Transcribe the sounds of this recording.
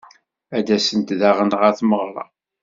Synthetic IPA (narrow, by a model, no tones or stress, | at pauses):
æd̪æsənt̪ðaʁənʁəɾθməʁɾˤɑ̰